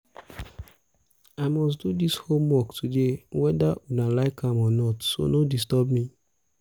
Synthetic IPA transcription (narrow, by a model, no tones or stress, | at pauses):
aɪmɔs̬dudishomwɔktʰudewɛdaunalaɪkʰãmɔnɔtso̰nodis̬tɔbmi